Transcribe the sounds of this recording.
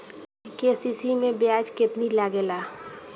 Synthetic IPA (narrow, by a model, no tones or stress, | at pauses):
kesisimẽbjad͡ʒkɪt̪nilaɡelaː